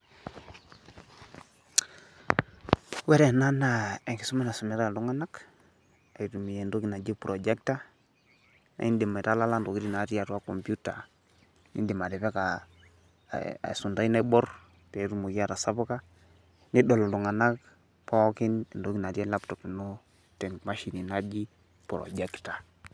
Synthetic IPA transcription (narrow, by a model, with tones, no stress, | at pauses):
wɛ˦ɾɛ˨na˦na˨e˨ŋɡi˨su˦mi˦na˨su˨mɛ˨ɾa˦˨lu˦ŋa˦na˦k | a˨i˨tu˨mi˨je˨ndo˦ki˨na˨d͡ʒe˦pɾʔɔ˨d͡ʒɛ˦k̚ta˦ | na̰˨i˦ndi˨ma˨ɾa˦la˦la˦ndo˨ki˦ɾi˦na˨˦ɾja˨twa˦kɔ˨mpju˦ta̰˨ | nḭ˦ndi˨ma˨dɛ˨βɛ˦ka̰˨ | su˨nda˦i˦na˦bɔ˦r | tɛ˨˦ɾu˦mo˨ɡa˦ɾa˨sa˦bu˦ka˦ | ni˦dɔ˨lɔ˨lu˨ŋa˨na˦k | pɔ˦kɪ˦n˨ndo˦ki˨na˨ti˦a˦la˦ptɔ˨pi˨nɔ˦ | tɛ˨ŋma˦ʃi˨ni˨na˦d͡ʒi˦ | pɾɔ̰˨d͡ʒɛ˦kta˨